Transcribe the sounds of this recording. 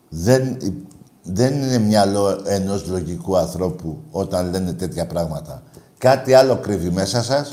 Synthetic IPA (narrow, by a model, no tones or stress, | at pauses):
ðen | ðe̞nine̞mɲɐlo̞e̞no̞zlo̞ʝikuɐnθɾo̞puo̞t̪ɐnle̞ne̞t̪e̞t̪çɐpɾɐɣmɐt̪ɐkɐt̪iɐlo̞kɾivime̞sɐsɐs